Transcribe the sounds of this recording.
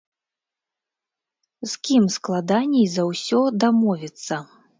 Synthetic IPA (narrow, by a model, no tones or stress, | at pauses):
skʲimsklˠad̪anʲijzɐwsʲɔd̪amɔvʲit̪sːɐ